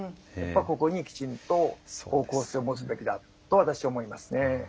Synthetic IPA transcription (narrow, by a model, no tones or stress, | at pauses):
japːako̞ko̞ɲ̟ikʲi̥t͡ɕĩnt̪o̞ko̞ːko̞ːseomot͡sɨbe̞kʲid̪a | t̪ːo̞βat̪aɕi̥aoːmo̞imasɨne̞